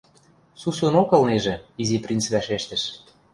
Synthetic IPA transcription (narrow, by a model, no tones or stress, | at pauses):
susŏnokɤ̆lneʒĕiziprʲint͡sβæʃeʃt̪ə̆ʃ